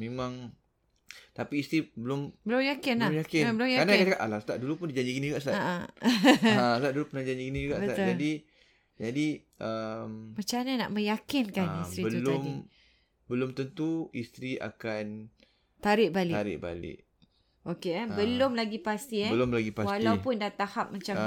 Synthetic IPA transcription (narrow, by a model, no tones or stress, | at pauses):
memãŋ | t̪apiːst̪ɾibəlʊmbəlʊmjakɪnajakɪbəlʊmjaanakkakaʔalast̪aʔdulupʊndid͡ʒaɲd͡ʒiɡinĩd͡ʒuɡaʔslaaʔa | asət̪aʔdulupʊnaid͡ʒaɲd͡ʒiɡinĩd͡ʒuɡaʔbəat̪ʊd͡ʒadi | d͡ʒadi | əmmat͡ʃanana̰ʔmə̃jakɪnkanist̪ɾibəulʊm | bəlʊmt̪ənt̪uist̪ɾia̰kan | t̪aɾɪʔ̚balɪaɾɪ̰ʔ̚ba̰lɪ̰ʔ | ʔokeabəlʊmlaɡipast̪ibəlomlaɡipaswalawpʊndat̪ahap̚mat͡ʃa